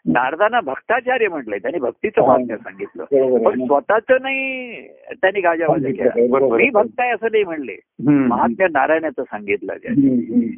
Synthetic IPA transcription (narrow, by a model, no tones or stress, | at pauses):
naɾd̪ʱanabʱəɡt̪at͡ɕaɾjəm̤əʈləet̪janibʱək̚t̪it͡səməɦat̪̚njəsãŋɡit̪lə̰ːpəɳsʋət̪at͡sənai | t̪janːiːɡad͡ʑaʋad̪əkḛlabəɾəmiːbʱək̚t̪ajəsəːnaim̤əɳlḛ | məɦat̪̚njənaɾajɳjat͡səsaŋɡit̪lə̰d͡zja̰i